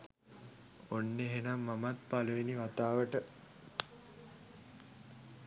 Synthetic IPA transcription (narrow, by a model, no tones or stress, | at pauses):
onːeɦenamːamat̪paluʋeniʋat̪aːʋəʈə